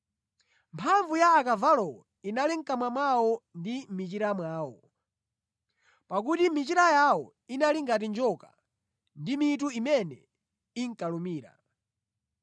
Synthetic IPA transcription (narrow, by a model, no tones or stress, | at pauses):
mpʰaɱvujaːkavalɔwɔ | inaliŋ̩kamwamawɔndimit͡ʃiɾamwaːwɔ | pak̬utimit͡ʃiɾajawɔ̰ | inaliŋɡat̬ind͡ʒɔka̰ | ndimit̬uimɛnɛ | iŋ̩kalumiːɾa̰